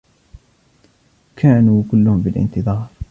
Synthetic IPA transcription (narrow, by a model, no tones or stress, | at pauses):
kʰaːnuːkʊlːʊhʊmbɪlʔɪ̰nt̪ɨðˤɑːɾˤ